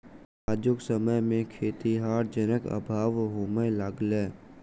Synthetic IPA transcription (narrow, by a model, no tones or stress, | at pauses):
aːd͡ʒʊksəməjmẽkʰeːt̪iɦaːɾd͡ʒənəkə̰bʱaːʋɦoːməjlaɡlɛː